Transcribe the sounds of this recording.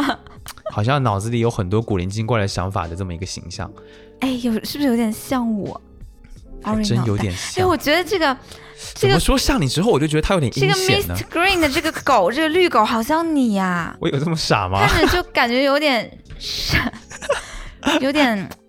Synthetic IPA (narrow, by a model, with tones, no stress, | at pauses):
xɑ˨˩ʊɕ̬jɑ˥˩ŋnɑ˨˩ʊt͡sɹ̩˧˩i˨˩jo˧˥ʊxə˨˩nt̪wɔ˥ku˨˩li˧˥nt͡ɕi˥ŋkwa˥˧ɪla˧˥ɕjɑ̰˧˥ŋfa̰˨˩d̪ə˦ʈ͡ʂɤ˥˩mə˩i˧˥ɡə˧ɕḭ˧˥ŋɕjɑ̰˥˩ŋ | e˥˩ɪjo˧˩ʊʂɻ̩˥˩˧ʂ̩ɻ̩˧jo˧˥ʊt̪jɛ˨˩nɕjɑ˥˩ŋwɔ̰˨˩˦ | ə˥njo˧˥ʊjɛ˩˨˩ne˥˩wɔ˨˩t͡ɕɥɛ˧˥d̪ə˧ʈ͡ʂɤ˥˩ɡə˩ | ʈ͡ʂɤ˥˩ɡə˩ʂwɔ˥ɕjɑ˥˩ŋni˨˩ʈ͡ʂɻ̩˥o˥˩wɔ˨˩t͡ɕjo˥˩t͡ɕə˧˥jo˧˥ʊtʲjɛ˨˧˥ʈ͡ʂɤ˥˩ɡə˩mɛɪ˥˩nə˦ɡɹi˥˩ŋd̪ə˩ʈ͡ʂɤ˥˩ɡə˩ko˨˩˦ʊʈ͡ʂɤ˥˩ɡə˩ly˥˩ko˨˩ʊxɑ˨˩ʊɕ̬jɑ˥˩ŋni˨˩ɐ˧wɔ̰˧˦jo˨˩ʊʈ͡ʂə˥˩mə˩ʂa̰˨˩mɐ̰˦a˥˧nɻ̩˥˩˧t͡ɕjo˥˩ʊka˨˩nt͡ɕɥɛ˧˥jo˧˥ʊt̪jɛ˨˩˦n | ʂə˧˩ | jo˧˥ʊt̪jɛ˨˩˦n